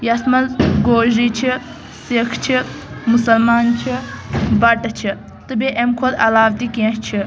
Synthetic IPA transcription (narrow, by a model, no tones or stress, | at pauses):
jɐsmɐlɡoːʒit͡ʃʰi | sikʰt͡ʃʰi | musɐlmaːnt͡ʃʰibɐʈɐt͡ʃʰi | t̪ɨbeʔemkʰod̪ɐlaːbt̪ikẽst͡ʃʰi